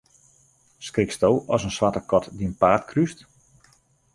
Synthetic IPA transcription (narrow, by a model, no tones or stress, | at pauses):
skrɪkstowɔsənsʋatəkɔtdiənpaːtkʰryst